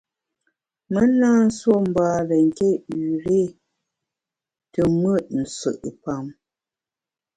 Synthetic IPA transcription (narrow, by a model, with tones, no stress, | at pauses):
mə˦naː˦n̩˦swɔ˦˨m̩˨baː˦lə˨ŋ˨ke˦˨ʉ˨ɾe˦˨ | tə˨mwə˦˨t̚n̩˨sə̰˨ʔə˨pa˨m